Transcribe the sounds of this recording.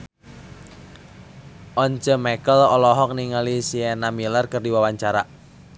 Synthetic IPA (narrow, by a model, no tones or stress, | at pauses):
ʔɔɲt͡ʃəmɛkəlɔlɔɦɔk̚niŋalisiɛnamilərkərdiwawaɲt͡ʃaɾa